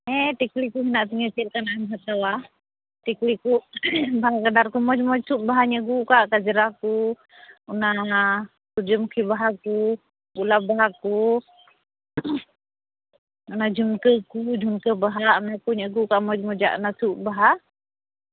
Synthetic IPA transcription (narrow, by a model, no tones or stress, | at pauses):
ɛt̪iklikuɦinaʔt̪iŋət͡ʃirkanamiɦat̪awa | t̪iklikubaɦakadarkumɔd͡ʒmɔt͡ʃuʔ̚baɦaɲəɡukaʔkad͡ʒəɾaku | una | tud͡ʒəmukʰibaɦaku | ulabaɦaku | unad͡ʒunkəkud͡ʒunkəbaɦaunakuɲəɡukaʔmɔd͡ʒmɔd͡ʒa̰ʔṵnasuʔbaɦa